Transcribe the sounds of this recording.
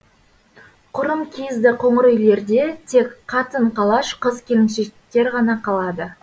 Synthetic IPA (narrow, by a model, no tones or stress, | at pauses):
qʰʊɾəmkʲʰe̞zd̪ɪqʰoɴəɾʏjle̞ɾd̪e̞t̪ʰe̞kqʰɑt̪əɴqʰɑlˠɑʃqəzkʲʰe̞lɪmʃe̞t̪ːe̞ɾʁɑnɑqʰɑlˠɑd̪ə